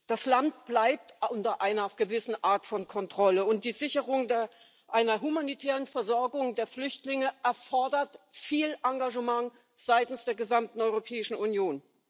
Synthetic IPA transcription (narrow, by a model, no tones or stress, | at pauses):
d̥aslant̚b̥laɪp̚tʊntɐʔaɪnɐɡ̥əvɪsn̩ʔaːɐtfɔnkʰɔntʁ̥ɔləʊnt̚d̥iːzɪçəʁʊŋd | ʔaɪnɐɦumanitʰɛːʁ̞ənfɛɐzɔɐɡʊŋdeːɐflʏçtlɪŋəʔɛɐfɔɐdɐtfiːlʔaŋɡaʒəmaŋ | z̥aɪtn̩sd̥eːɐɡəzamtn̩ɔʏʁopʰɛːɪʃn̩unjoːn